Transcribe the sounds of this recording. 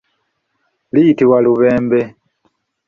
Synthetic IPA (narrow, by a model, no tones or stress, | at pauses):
lijitiwaluβeːmbe